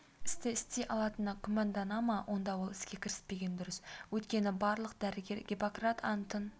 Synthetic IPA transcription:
ɪst̪ɪɪst̪eʔɑlˠɑt̪ənɑkʲʰʊmɑnd̪ɑnɑmɑwʔo̞nd̪ɑwo̞lˠɪskʲe̞kʲʰɪɾɪ̥spe̞ɡʲe̞nd̪ʏɾʏswɵt̪kʲe̞nɪbɑɾlˠəq̚d̪æɾɪɡʲe̞ɾɡʲepokrat̪ʰɑnt̪ən

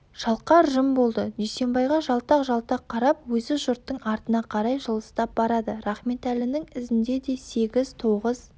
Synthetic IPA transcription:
ʒ̥ɑlˠqɑɾʒəmbo̞lˠd̪əd̪ejse̞mbɑjʁɑʒɑlˠt̪ɑqʒɑlˠt̪ɑqqʰːɑɾɑpwɵzɪʒʊɾt̪ːəɴɑɾt̪ənɑqʰɑɾɑjʒəlˠə̥st̪ɑp̚bɑɾɑd̪əɾɑχme̞t̪ælɪnɪŋɪzɪnd̪e̞d̪e̞se̞ɡʲɪzt̪ʰo̞ʁəz̥

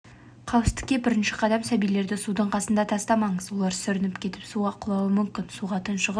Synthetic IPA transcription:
qʰɑwɪst̪ɪ̥kʲːe̞bɪɾɪnʃɪqʰɑd̪ɑmsæbijle̞ɾd̪ɪsud̪əɴqʰɑsənd̪ɑt̪ʰɑst̪ɑmɑɴəzwo̞lˠɑɾsʏɾɪnɪpkʲʰe̞t̪ɪ̥psuɑqʰʊlˠɑwəmʏmkʲɪnsuʁɑt̪ənʃəʁ

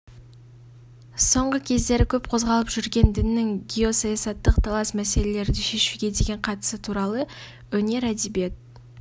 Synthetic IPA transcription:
so̞ɴʁəkʲʰe̞zd̪e̞ɾɪkʲʰɵpqʰo̞zʁɑlˠəpʒʏɾɡʲe̞nd̪ɪnɪːɪŋɡʲijo̞sɑjɑsɑt̪ːəqt̪ʰɑlˠɑsmæse̞le̞le̞ɾd̪ɪʃe̞ʃuɡʲe̞d̪e̞ɡʲe̞ɴqʰɑt̪ə̥sət̪ʰuɾɑlˠə | wɵne̞ɾæd̪ebe̞t̪̚

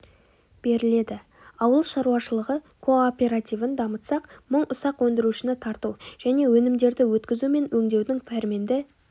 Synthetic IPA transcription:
b̥e̞ɾɪle̞d̪ɪ | ɑwəlˠʃɑɾuɑʃəlˠəʁə | kʰo̞opʲe̞ɾat̪ijvənd̪ɑmət̪sɑqməɴʊsɑqwɵnd̪ɪɾuʃɪnɪt̪ʰɑɾt̪uʒ̥æne̞wɵnɪmd̪e̞ɾd̪ɪwɵt̪kʲɪzume̞nwɵŋd̪e̞wd̪ɪŋpʰæɾme̞nd̪ɪ

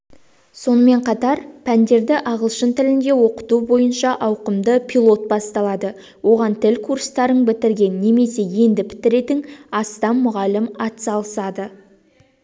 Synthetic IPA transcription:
so̞nəme̞ɴqʰɑt̪ɑɾpʰænd̪e̞ɾd̪ɪʔɑʁəlˠʃənt̪ɪlɪnd̪e̞wo̞qə̥t̪ubo̞jənʃɑʔɑwqəmd̪əpʲʰilˠo̞t̪̚bɑst̪ɑlˠɑd̪ə | wo̞ʁɑnt̪ʰɪlʲkʰuɾst̪ɑɾəɴbɪt̪ɪɾɡʲe̞nːe̞me̞se̞je̞nd̪ɪpʰɪ̥t̪ɪɾe̞t̪ɪŋɑst̪ɑnmʊʁɑlɪmɑt̪sɑlˠəsɑd̪ə

